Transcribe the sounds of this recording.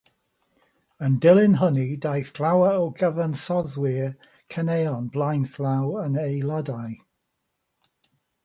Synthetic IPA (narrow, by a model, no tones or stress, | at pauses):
əndɪlˠɪnɦənidajθb̥lˠawəowɡəvənsɔðwɪ | kʰəneɔnblˠajnθlˠawənejlˠədaj